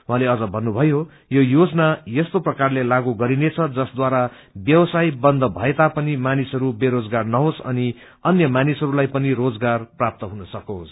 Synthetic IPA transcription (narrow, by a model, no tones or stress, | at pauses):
ɦwɦãleʌd͡zʌbʱʌnːubʱʌjo | jojod͡zʌnajest̪oprʌkarlelaɡuɡʌɾinet͡sʰʌd͡zʌsd̪waɾa | bjʌwʌsajbʌnd̪ʱʌbʱʌet̪apʌnimanisʌɾubeɾod͡zɡarnʌɦosʌ̰ni | ʌnjʌmanisʌɾulajpʌnirod͡zɡarprap̚t̪ʌɦunʌsʌkos